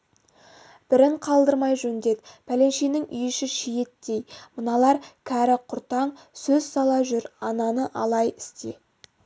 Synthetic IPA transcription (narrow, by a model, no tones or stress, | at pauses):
b̥ɪɾɪɴqʰɑlˠd̪əɾmɑjʒɵnd̪e̞d̪pʰæle̞nʃenɪŋʔʏ̰jɪʃɪʃije̞t̪ːe̞jmənɑlˠɑɾkʲʰæɾɪqʰʊɾt̪ɑɴsɵzsɑlˠɑʒʏɾɑnɑnəʔɑlˠɑjɪst̪e